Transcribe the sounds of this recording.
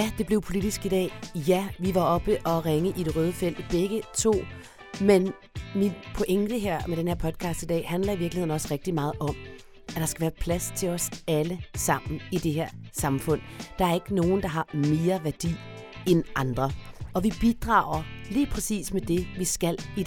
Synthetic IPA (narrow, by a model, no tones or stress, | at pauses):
jæd̥e̝b̥le̝ʊpʰo̝lid̥isɡ̥id̥ɛ̰ːjæʋiʋɑ̈ɒ̽b̥əʔɒ̽ʁeŋəʔid̥e̝ʁœːð̞ˠfel̰d̥b̥eɡ̥ət͡sʰo̝̰ː | men | minpʰɔ̽ʔeŋd̥əɦeɐ̰med̥enhe̝ɐ̰pʰɒ̽d̥̚kʰɑ̈sd̥id̥ɛ̰ːɦænlɐiʋiɐɡ̥lihe̝̰n̩ɒ̽sʁeɡ̥̚d̥imɑ̈ːð̞̩ˠʔɒ̽m̰ | æd̥ɑ̈sɡ̥æʋæːɐpʰlæst͡sʰe̝lɒ̽sæləsɑ̈m̰n̩id̥e̝ɦeɐ̰sɑ̈mfɔ̽n̰d̥ɑ̈æɐe̝ɡ̥əno̝ːn̩d̥ɑ̈ɦɑ̈me̝ːɐʋæɐd̥ḭː | enʔɑ̈nd̥ʁɐʔɒ̽ʋib̥id̥ʁɑ̰̈ːʊ̰ɐliːpʰʁɛsḭːsmed̥e̝ʋisɡ̥æli